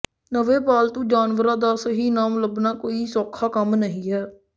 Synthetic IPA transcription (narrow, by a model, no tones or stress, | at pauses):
nəʋeːbaːlt̪õːd͡ʒaːnʋəɾãːd̪aːsəɦiːnaːmləbnaːkoːiːsɔːkʰːaːkəmnəɦĩːɦɛː